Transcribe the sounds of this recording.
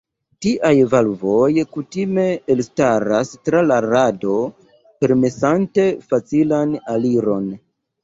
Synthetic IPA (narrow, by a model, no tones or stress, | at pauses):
tiʔajvalvo̞jkutime̞elstaɾastɾalaɾado̞ | pe̞ɾme̞sante̞fat͡silanaliɾo̞n